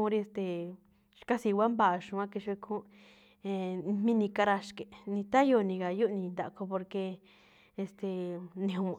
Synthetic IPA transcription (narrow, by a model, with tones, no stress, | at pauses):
ũ˧˦ɾi˧e˧st̪e˨ | ʃka˦si˧wʷa˦mba˧˨˧ʃũ˧ã˦˧ke˧ʃe˧kʰũ˦ | e˧mmĩ˦nĩ˧ka˧ɾa˧ʃke˨nĩ˧t̪a˦jo˧˨˧nĩ˧ka˨ju˦nĩ˧nd̪a˨˧ko˧po˧ɾke˧ | e˧st̪e˨˧nĩ˧ũ˧